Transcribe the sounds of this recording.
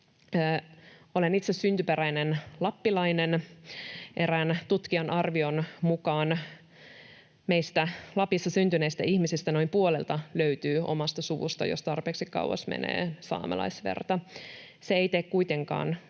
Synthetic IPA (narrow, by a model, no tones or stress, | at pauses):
o̞lenit̪sessynt̪ypeɾæjnenlɑpːilɑinen | ʔe̞ɾæːnt̪ut̪kiɑnʔɑrʋio̞nmukɑːn | meist̪ælɑpjisːɑsynt̪yne̞ist̪æ̰ʔihmisist̪æno̞impuolelt̪ɑløyt̪yːʔo̞̰mɑst̪ɑsuʋṵst̪ɑ̰jost̪ɑrpeːksikkɑ̰uwɑ̰smḛnḛːsɑ̰ːmḛlɑ̰jsʋḛrt̪ɑ | seejt̪ekkuit̪e̞ŋkɑ̰ːn